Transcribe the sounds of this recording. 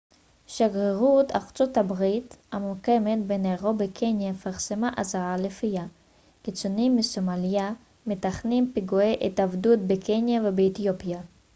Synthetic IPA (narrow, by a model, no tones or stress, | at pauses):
ʃaɡʁeʁut̪a̰ʁt͡sothabʁithamukemet̪̚beneʁobekʰenjafaʁsemaʔazaʁalefija | kit͡sunimːisomalja | met̪aχnimpiɡueʔet̪avdut̪̚bekʰenjavebeːt̪ijopja